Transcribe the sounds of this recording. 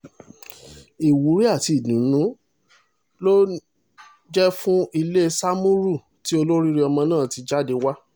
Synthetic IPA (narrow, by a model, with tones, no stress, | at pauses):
i˨wu˨˦ɾi˦a˦˨ti˨˧˨nũ˨˦nũ˨˦ | lo˦ | d͡ʒɛ˦fũ˦i˧le˦sa˦mũ˦ɾu˦˨ | ti˦o˧lo˦ɾi˦ɾi˦ɔ˧mɔ̃˧nãː˦˨ti˧d͡ʒa˦˨de˧wa˦